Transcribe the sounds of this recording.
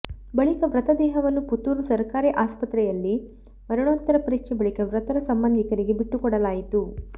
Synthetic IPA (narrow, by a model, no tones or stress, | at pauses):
bɐɭikɐʋɾɐt̪ɐd̪ɛːɦɐʋɐnːuput̪ːuːɾusɐɾkaːɾiʔaːspɐt̪ɾɛjɐlːi | mɐɾuɳoːt̪ːɐɾɐpɐɾiːkʂɛbɐɭikɐʋɾɐt̪ɐɾɐsɐmbɐnd̪ikɐɾiɡebiʈːukɔɽɐlaːjit̪u